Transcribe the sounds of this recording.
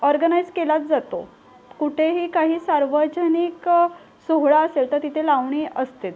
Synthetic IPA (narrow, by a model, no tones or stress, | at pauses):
ɔɾɡənajd͡zkelat̪̚d͡zat̪o̰ | kuʈʰeɦiːkaɦiːsaɾʋəd͡ʑənik | soɦɭaəselt̪əɾt̪it̪ʰelaʋɳiːəst̪et̪